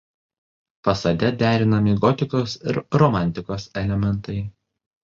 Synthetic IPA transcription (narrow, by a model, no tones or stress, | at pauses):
fɐsɐd̪ʲɛd̪ʲæːɾʲɪnɐmʲɪɡɔt̪ʲɪkoːsɪ̰ɾɾɔmɑˑnʲt̪ʲɪkoːsɛlʲɛmʲɛnˑt̪ɐɪ